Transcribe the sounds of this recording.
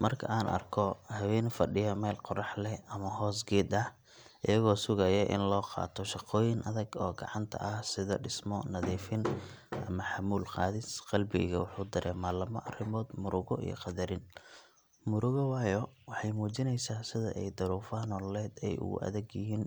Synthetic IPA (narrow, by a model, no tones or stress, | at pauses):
mɐrkʰɐ̰ʔaːnʔɐ̰rkʰɔhɐwɛːnfɐɖɪjɐmɛːlqɔrɑħlɛʔɐmɐɦɔːsɡɛːd̪ɐh | ʔɪjɐɣɔːsʊɣɐjɐʔɪ̰nlɔːqɑ̰ːt̪ʰɔʃɑqɔːjɪŋʔɐðɐɡɔːɡɑ̰ʕɑnt̪ʰɐ̰ʔɐhsɪðɐ̰ɖɪsmɔnɐðiːfɪnʔɐ̰mɐħɑmuːlqɑ̰ːðɪsqɑlbɪɣɐwɑħuːd̪ɐɾʔɛ̰ːmaːlɐmɐ̰ʔɐrɪmɔːd̪mʊɾʊɣɔ̰ʔḭjɞ̰qɑd̪ɐɾɪn | mʊɾʊɣɔwɑːjɔwɑħɑjmuːt͡ʃɪnɛjsaːsɪðɐ̰ʔɛjd̪ɐɾuːfɐnɔːllɛːd̪ɛ̰jʔʊ̰ɣʊ̰ʔɐ̰ðɛɡjɪɦiːn